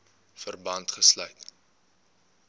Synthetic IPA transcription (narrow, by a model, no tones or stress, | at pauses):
fərbɐntχəslœɥt